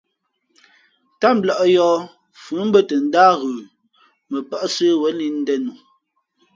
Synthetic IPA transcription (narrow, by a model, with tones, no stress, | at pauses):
ta˦m̩˦bla˨ʔjɔː˦ | fʉ˨˦m̩˦bə˦tə˨n̩˦daː˦ɣəː˨ | mə˨pa˦ʔsə˦wə˨˦li˦n̩˦dɛ˦nu˨